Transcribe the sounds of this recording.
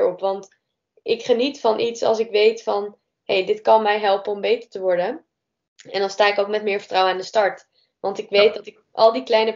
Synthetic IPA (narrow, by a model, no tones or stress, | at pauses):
ɹɔpʋɑnt | ɪkχənitfɑnʔitsɑ̰lˠsɪkʋejtfɑn | hejdɪtkɑnmɛjɦɛlˠpənɔmbejtə̥ɹtəʋɔɹdə | ɛndɑnstaːɪkowk̚mɛtmɪːɹvəɹtrawənaːndəstɑɹt | ʋɑntɪkʋejt̚dɑtɪk | ʔɑ̰lˠdiklɛjnə